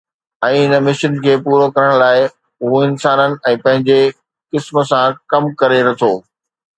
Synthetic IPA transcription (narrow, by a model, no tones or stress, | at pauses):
ɛ̃ːɦɪnəmɪʃənkʰeːpuːɾokɐɾəɽ̃laːɪ | ʊɦoɪnsaːnənɪ̆ɛ̃ːpɐ̃ɦɪ̃ɲd͡ʑe | kɪsmə̆sãkɐmkɐɾeɾɐt̪ʰoː